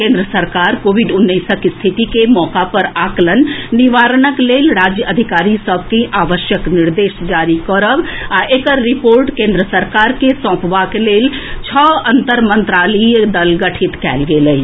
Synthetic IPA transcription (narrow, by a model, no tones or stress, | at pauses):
kẽːnd̪ɾəsəɾkaːɾkoːʋiɖʊnːəɪsəkist̪ʰit̪ikemɔːkapəɾaːklənːiʋaːɾnəkleːlɾaːd͡ʒjəəd̪ʱikaːɾisəbʱkiʔaːʋəʃjəknɪɾd̪eːʃd͡ʒaːɾikɔɾəbaʔeːkəɾːipoːɾʈkẽːnd̪ɾəsəɾkaːɾkesɔ̃ːpʰʋakeleːlt͡ʃʰɔːə̃nt̪əɾmə̃nt̪ɾaːlid̪əlɡəʈʰit̪kɛ̰ːlɡeləi